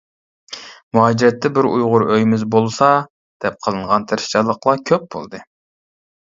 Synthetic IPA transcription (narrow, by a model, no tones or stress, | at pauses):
muɦɑd͡ʒiɾɛt̪ːɛbɪɾṵjʁʊɾøjmɪzbolˠsɑ | d̪̥ɛp̚qʰəlˠɨɴʁɑnt̪ʰɪɾɪ̥ʃt͡ʃʰɑlˠːəqlˠɑkʲʰøp̚b̥o̰lˠd̪ɨ